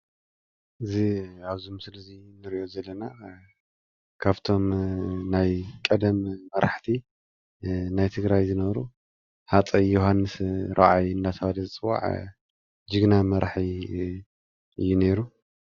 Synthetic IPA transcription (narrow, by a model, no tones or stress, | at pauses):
ʔɨziaβzumsɨlɐzinɨɾiʔo̞zɐlːɐna | kʰaβt̪ʰo̞mnajkʼɐd̪ɐmːɐɾa̰ħt̪ʰi | najt̪ʰɨɡɾajzɨnɐβɾu | ħat͡sʼɐjoɦanːɨsɾʔaʔajɨnd̪at̪ʰɐwalɐzt͡sʼɨwːa̰ʕ | d͡ʒɨɡnamɐɾaħi | ʔɨjːune̞ɾu